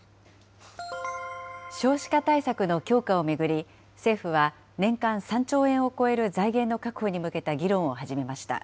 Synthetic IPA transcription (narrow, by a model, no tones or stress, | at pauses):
ɕo̞ːɕi̥kat̪aisakɯno̞kʲo̞ːkao̞me̞ɡɯ̟ɾʲi | se̞ːɸɯ̟βa | nẽ̞ŋkãɰ̃sãɲt͡ɕo̞ːẽ̞ɰ̃o̞ko̞e̞ɾɯ̟zaiɡẽ̞nːo̞kakɯ̟ho̞ɲ̟imɯ̟ke̞t̪aɡʲiɾõ̞ɰ̃o̞haʑime̞maɕi̥t̪a̰